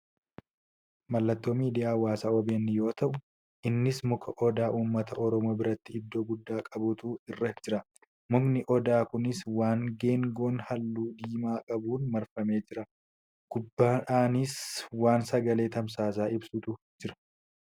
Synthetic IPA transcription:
mɐlːɐt̪ːo̞ːmiːd̪ɪjaːwaːsaːɔbeːnːɪjo̞ːt̪ɐʔʊ | ʔɪnːɪsmʊkʰɐʔɔd̪aːʔuːmːɐt̪ɐʔɔɾɔmoːbɪɾɐt̪ːɪɪd̪ːo̞ːɡʊd̪ːaːkʼɐbʊt̪uːɪrːɐd͡ʒɪɾɐ | mʊknɪʔɔd̪aːkʊnɪswaːŋɡeːŋɡoːnhɐlːuːd̪iːmaːkʼɐbuːnmɐɾfɐme̞ːd͡ʒɪɾɐ | ɡ̥ʊbːaːaːnɪswaːnsɐɡɐle̞ːt̪ɐms̬aːs̬aːɪbsʊt̪ʊ | d͡ʒɪɾɐ̥

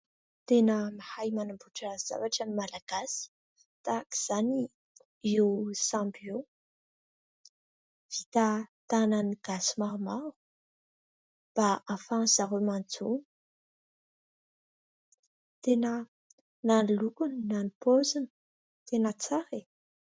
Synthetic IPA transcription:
t̪enəmahajmanambuʈ͡ʂəz̥a̰vaʈ͡ʂənimalaɡ̥asi̥ | t̪aki̥z̥ani | iwsambjo | v̥it̪at̪ananiɡ̥asimaɾumaɾu̥ | b̥aafazaɦemand͡zo | t̪enə | nanlukuninanipozinə̥ | t̪enət͡saɾe

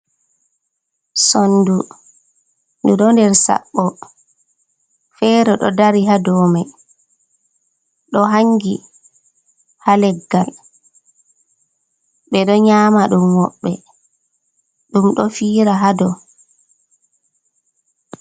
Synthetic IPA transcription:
sɔndu | nduɗɔndɛɾsa̰ɓːɔ | fɛɾɛɗɔ̰daɾiɦadɔːmaj | ɗɔɦaŋɡi | halɛɡːal | ɓɛɗɔɲaːmaɗumwɔɓːɛ | ɗumɗɔfiːɾaɦadɔ

